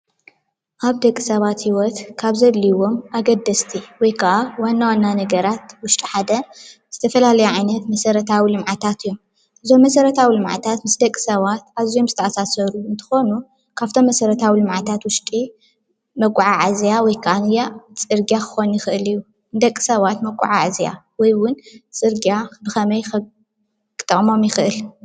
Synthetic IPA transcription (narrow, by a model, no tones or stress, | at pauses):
ʔaβd̪ɐkʼːisɐβat̪hiwɔt̪kʰaβzɐlːiwo̞mʔaɡɐd̪ːɐst̪ʰiwɔjkʰaʔawanːawanːanɐɡɐɾat̪wʊʃt̪ʼiħad̪ɐz̥ɨt̪ʰɐfɐlalɐjuʕajnɐt̪mɐsɐɾɐt̪ʰawilɨmʕat̪ʰat̪ɨjːom | ʔɨzo̞mːɐsɐɾɐt̪ʰawilɨmʕa̰t̪ʰat̪mɨsd̪ɐkʼːi̥sɐβat̪̚ʔaβzijo̞mzɨt̪ʰɐʔasasɐɾuɨnt̪ʰɨ̥xo̞nu | kʰaβt̪ʰo̞mːɐsɐɾɐt̪ʰawilɨmʕat̪ʰat̪wʊʃt̪ʼi | mɐkʼːʕaʕazjawɔjkʰʔanɨjat͡sʼɨɾɡjakʰɨ̥xo̞njɪxɨʔɨlɨjːu | nd̪ɐkʼːi̥sɐβat̪mɐɡʼṵʕaʕazja̰wɔjwʊnt͡sʼɨɾɡijabɨxɐmɐjx | kɨ̥t̪ʼːɨχʼmo̞mjɪxɨʔɨl